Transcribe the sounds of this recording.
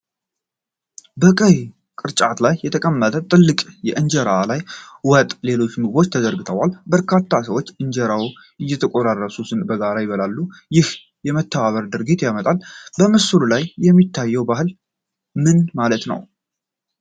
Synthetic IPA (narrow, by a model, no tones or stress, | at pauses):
bəkʼəj | kʼɨɾt͡ʃʼat̪lajːɛt̪ʰəkʼəmːət̪ʼət̪ʼɨlːɨkʼjɛʔɨnd͡ʒɛɾalajwɔt̪ʼle̞lo̞t͡ʃːmɨɡbo̞t͡ʃːt̪ʰəzəɾɡɨt̪ʰəwalbəɾkʰat̪ːasəwot͡ʃːɨɲd͡ʒɛɾaw | ʔɨjːɛt̪ʰəkʼoɾarːəsusɨnbəɡaɾajbəlalːujɪh | jɛmət̪ʰːəβaβəɾd̪ɨɾɡit̪jamət̪ʼalbəmɨsululajjːɛmːit̪ːajːɛwbaɦɨl | mɨnmalət̪nə̰w